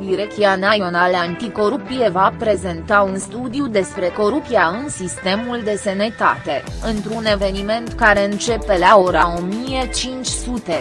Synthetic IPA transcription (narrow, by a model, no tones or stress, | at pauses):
d̪iɾek̚t̪ianaio̞naleant̪iko̞ɾup̚t̪ie̞vapɾe̞ze̞nt̪aunst̪ud̪iud̪e̞spɾe̞ko̞ɾup̚t̪iaɨnsist̪e̞muld̪e̞senet̪a̰t̪e̞ɨnt̪ɾune̞ve̞nime̞nt̪kaɾe̞ɨnt͡ʃe̞pe̞lao̞ɾao̞mije̞t͡ʃint͡ʃʲsut̪e̞